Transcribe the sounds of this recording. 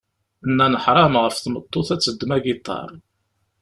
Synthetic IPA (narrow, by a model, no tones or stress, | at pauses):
nːænəħɾˤɑmʁəfθmət̪ˤːoθæt͡sːəd̪ːmæɡit̪ˤːɑ̰ɾˤ